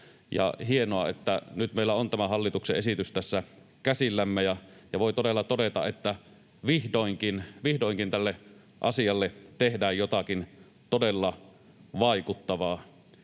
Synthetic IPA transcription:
jɑ̰hienoɑet̪ːænyt̪meˑilːˑæont̪æmæhɑlːit̪ukseʔʔesit̪yst̪æsːæ | kæsilːæmːejɑ | jɑʋoˑit̪odelːɑt̪odet̪ɑ̰ʔet̪ːæ | ʋihdoˑiŋkinʋihdoˑiŋkint̪ælːe | ʔɑ̰sijɑlːet̪ehdæːjjot̪ɑkin | t̪odelːɑ | ʋɑikut̪ːɑʋɑː

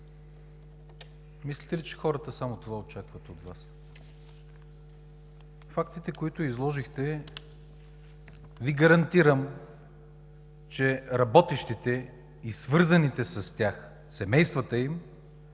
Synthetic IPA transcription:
mislit̪ɛlit͡ʃɛ̥xɔɾət̪əsamot̪ovaot͡ʃakvət̪ot̪vas | fak̚t̪it̪ɛkoit̪ʊizlˠɔʒixt̪ɛ | viɡəɾɐnt̪iɾəm | t͡ʃɛɾɐbɔt̪iʃt̪it̪ɛ | isvɤɾzɐnit̪ɛsɐst̪ʲjax | sɛmɛjst̪vət̪əim

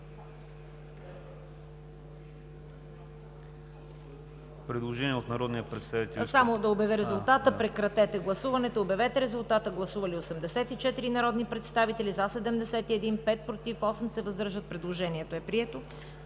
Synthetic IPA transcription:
pɾɛd̪lˠoʒɛniɛot̪nɐɾɔd̪nijɐpɾɛt̪st̪avit̪ɛsamod̪ɐobjɐvɛɾɛzulˠt̪at̪əpɾɛkɾɐt̪ɛt̪ɛɡlˠɐsuvɐnɛt̪oiobjɐvɛt̪ɛɾɛzulˠt̪at̪əɡlˠɐsuvɐliosɛmd̪ɛsɛt̪it͡ʃɛt̪iɾinɐɾɔd̪nipɾɛt̪st̪avit̪ɛlizasɛd̪ɛmd̪ɛsɛt̪iɛd̪inpɛt̪̚pɾot̪ifɔsɛmsɛvəzd̪ɤɾʒət̪̚pɾɛd̪lˠoʒɛniɛt̪oɛpɾiɛt̪o

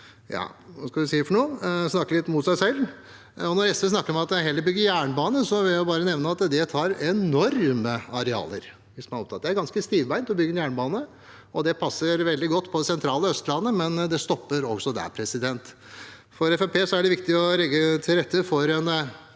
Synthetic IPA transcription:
jɑ̰ːʋɑskɑld̪ɛsiːəfɔɳoːsnɑkːəlɪt̪ːmʊt̪sæɪsɛlː | ɔnɔɾɛst̪əs̬nɑkːəɾɔmɑt̪ɦɛlːəɾbʏɡːəɾjæːɳəbɑːnəsɔʋɪljæɪbɑːɾənɛʋnəɑt̪d̪ɛt̪ʰɑːɾɛnɔɾməɑɾɛɑ̰ːlə̰ɾ | ʋɪsmɑnɑɔpt̪ʰɑːt̪d̪ɛæɾɡɑnskəst̪iːʋbæɪnt̪ɔbʏɡːənjæːɳəbɑːnə | ɔd̪ɛpʰɑsːəɾʋɛld̪ɪɡɔt̪ːpʰɔd̪ɛsɛnt̪ʰɾɑːləœst̪lɑnːəmɛnd̪ɛst̪ɔpːəɾɔɡsɔd̪æ̰ɾpʰɾɛsɪd̪ɛnt̪ | fɔɾɛfæpʰeːsɔæɖɛʋɪkt̪ɪɔlɛɡːət̪ʰɪlɾɛt̪ːəfɔɾɛn

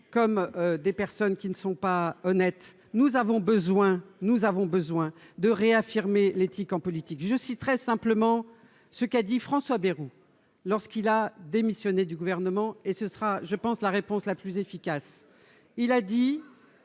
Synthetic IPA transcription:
kɔmød̪epɛʁsɔnkʲinəsɔ̃paɔnɛt̪ | nuzavɔ̃bəzwɛ̃nuzavɔ̃bəzwɛ̃d̪əʁeafiʁmelet̪ikɑ̃pɔlit̪ikʒəsit̪χɛsɛ̃pləmɑ̃ | səkad̪ifχɑ̃swabeʁu | lɔʁskilad̪emisjɔned̪yɡuvɛʁnəmɑ̃esəsəʁaʒəpɑ̃slaʁepɔ̃slaplyzefikas | ilad̪i

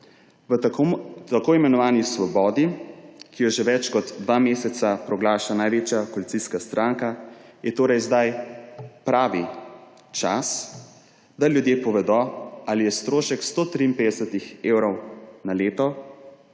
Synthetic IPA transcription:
t̪akoːimɛnɔʋaːnisʋɔbɔːd̪ikijɔʒeʋɛt͡ʃkɔd̪d̪ʋaːmeːsɛsapɾɔɡlaːʃanajʋet͡ʃjakɔlitsiskast̪ɾʔaːŋkajɛt̪oːɾɛjzd̪aj | pɾaːʋi | t͡ʃas | d̪aljud̪jeːpɔʋɛd̪ɔalijɛst̪ɾoːʃɛkst̪oːt̪ɾiimpeːd̪ɛsɛt̪ixeːwɾɔwnaleːt̪ɔ

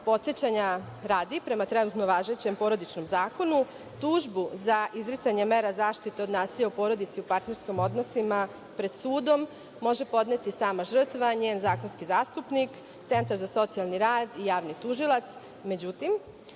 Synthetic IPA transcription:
po̞t̪sjet͡ɕaɲa | ɾaːd̪ipɾe̞mat̪ɾe̞nut̪no̞ʋaːʒe̞t͡ɕe̞mpo̞ɾo̞d̪it͡ʃno̞mzaːko̞nu | t̪uʒbuzaʔizɾit̪aɲe̞meːɾazaːʃt̪it̪eod̪naːsiʎaupo̞ɾo̞d̪it̪siupaɾt̪ne̞ɾskimo̞d̪no̞sima | pɾe̞d̪suːd̪o̞mː | o̞ʒe̞po̞d̪net̪isaːmaʒr̩t̪ʋaɲeːnzaːko̞nskizaːst̪upnik | t̪se̞nt̪aɾzaso̞t̪sialˠniɾaːd̪ijaːʋnit̪uʒilˠat̪s | me̞d͡ʑut̪im

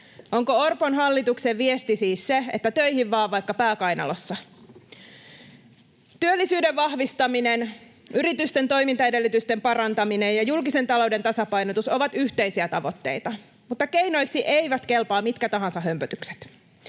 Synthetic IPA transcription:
ʔoŋkoorponɦɑlːit̪ukseʋʋiest̪isiːsseḛt̪ːæt̪øihiʋːɑːʋʋɑjkːɑpæːkɑjnɑ̰losːɑ | t̪yølːisyːdeʋʋɑhʋist̪ɑminen | yrit̪yst̪ent̪o̞imint̪ɑedelːyt̪yst̪empɑrɑnt̪ɑminejjɑjulkise̞nt̪ɑlo̞wde̞nt̪ɑsɑpɑjnot̪usoʋɑt̪yht̪eisiæt̪ɑʋo̞t̪ːe̞̰it̪ɑ | mut̪ːɑkejno̞jksiʔe̞ijʋæt̪ke̞lpɑːmit̪kæt̪ɑɦɑ̃nsɑɦømpøt̪ykse̥t̪

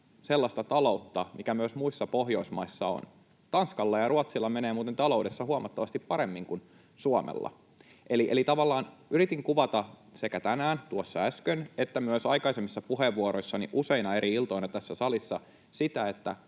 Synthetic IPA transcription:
selːɑst̪ɑt̪ɑlo̞ut̪ːɑmikæmyøsmuisːɑpo̞ɦjo̞ismɑisːɑo̰n | t̪ɑnskɑlːɑjɑruɑt̪silːɑme̞neːmuːt̪ent̪ɑlo̞ude̞sːɑhuɑmɑt̪ːɑʋɑst̪ippɑɾe̞mːiŋkun | suɑmḛlːɑ̰ | ʔeliʔelit̪ɑʋɑlːɑːnyɾit̪iŋkuʋɑt̪ɑsekæt̪ænæːnt̪uosːɑæskønet̪ːæmyøsɑikɑisemːisːɑpuɦeʋːuoɾo̞isːɑnḭʔuse̞inɑe̞ɾʔiilt̪o̞inɑt̪æsːæsɑlisːɑ̰ | sit̪æe̞t̪ːæ

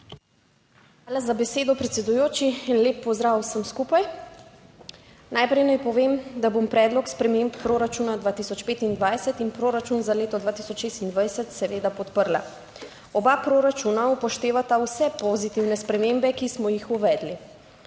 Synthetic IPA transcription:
xaːlazabɛseːd̪ɔpɾɛt̪sɛd̪ujoːt͡ʃiːnleːpːɔzd̪ɾawsəmskupaj | naːjpɾɛjnajpɔʋemd̪abompɾɛːd̪lɔkspɾɛmemppːɾoɾat͡ʃuːnad̪ʋaːt̪isɔt͡ʃpeːt̪ind̪ʋajsɛt̪inpɾoːɾat͡ʃunzaleːt̪ɔd̪vʋaːt̪isɔt͡ʃʃeːst̪ind̪ʋajsət̪sɛʋeːd̪apɔt̪pəɾla̰ | ɔbapɾoɾat͡ʃunaupɔʃt̪eːʋat̪awsɛpozit̪iwnɛspɾɛmembɛkismɔjixuʋɛːd̪li

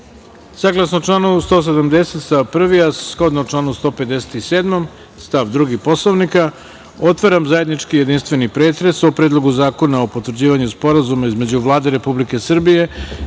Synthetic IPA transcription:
saɡlˠasnoʈ͡ʂlˠaːnust̪o̞ːs̬ed̪amd̪e̞se̞t̪sapr̩ʋiaskod̪noʈ͡ʂlˠaːnust̪o̞ːpe̞d̪ese̥t̪iseːd̪mom | st̪aʋd̪ɾuɡipo̞sloʋnika | o̞t̪ʋaɾamzaje̞d̪nit͡ʂkije̞d̪inst̪ʋe̞nipɾe̞ːt̪ɾe̞sopɾed̪lˠo̞ɡuzaːko̞naopo̞t̪ʋrd͡ʑiːʋaɲuspo̞ɾazumaizme̞d͡ʑuʋlˠaːd̪eɾe̞publike̞sr̩bije̞

